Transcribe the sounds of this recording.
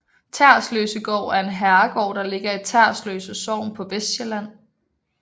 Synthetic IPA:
t͡sʰæɐ̰slø̰ːsəɡ̥ɒ̰ʊ̰æɐe̝nɦæɐɐɡ̥ɒ̰ːd̥ɑ̈le̝ɡ̥ɐe̝d̚t͡sʰæɐ̰slø̰ːsəsɒ̰ːmpʰɒ̽ʋesɕelæn̰

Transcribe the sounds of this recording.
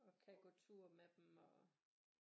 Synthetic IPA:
ɒ̽kʰæɡ̥ot͡sʰuɐmed̥m̩ɒ

